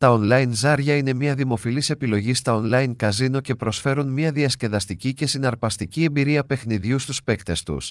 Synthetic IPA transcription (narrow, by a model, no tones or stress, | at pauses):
t̪ɐo̞nlɐjnzɐɾʝɐine̞mɲɐðimo̞filise̞pilo̞ʝist̪ɐo̞nlɐinkɐzino̞ce̞pɾo̞sfe̞ɾunmɲɐðiɐsce̞ðɐst̪icice̞sinɐɾpɐst̪icie̞mbiɾiɐpe̞xniðʝust̪uspe̞kt̪e̞st̪ṵs